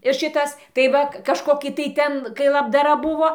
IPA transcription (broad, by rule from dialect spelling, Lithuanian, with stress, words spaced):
ɪr ˈʃʲɪtɐs tɐɪ ˈʋɐ kɐʃˈkoːkʲɪ tɐɪ ˈtʲɛn kɐɪ lˠɐbdɐˈrɐ ˈbʊʋoː